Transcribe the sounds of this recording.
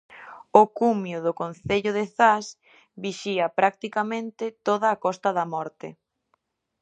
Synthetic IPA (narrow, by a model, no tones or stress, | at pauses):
ʊkumjʊðʊkon̟θeʎʊðɪθas | biʃiɐpɾak̚t̪ikamẽnt̪ɪt̪oðaːkɔst̪ɐðɐmɔɾt̪ɪ